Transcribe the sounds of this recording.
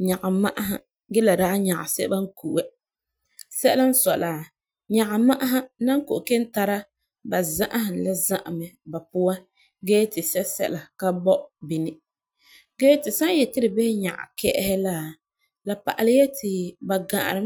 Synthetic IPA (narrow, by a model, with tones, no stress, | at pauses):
ɲa˨ɡa˨ma˦ʔa˦ɦa̰˨ | ɡɛ˦la˨daː˦ɲa˨ʔa̰˨sɛ̰˦ba˦ŋ̩˦ku˨ʔɛ˦ | sɛ˦la˦n̩˦sɔ˨laː˨ | ɲa˨ɡa˨ma˦ʔa˦ɦa˦na˦ŋ˦ko˨ʔke˦n˦ta˦ɾa˦ | ba˨za˦ʔa˦hɪ˨la˦za˦ʔa˨mɛ˨ba˨pʊ˦wa˦ | ɡɛː˦tɪ˨sɛ˦sɛ̰˦la˨ka˦bɔ˦ʔbi˨nɪ˦ | ɡɛː˦tɪ˨sa˦jɛ˨tɪ˦ɾɪ˨bɛ˦hɪ˦ɲa̰˨ʔa̰˨kɛ̰˦ʔɛ˦hɛ˦la˨ | la˨pa̰˨ʔa˨lɪ˦jɛ˦tʰɪ˨ba˨ɡã˨ʔa̰˨ɾɨ˦